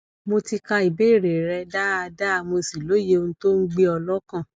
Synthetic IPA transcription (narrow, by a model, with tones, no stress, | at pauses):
mo˧ti˧ka˧i˨be˨˦˨ɾe˨ɾɛ˧da˦a˧da˦˧mo˧si˨lo˨˦je˧˦o˧ũ˦to˦n̩˦ɡ͡be˦ɔ˧lɔ˦kã˦˨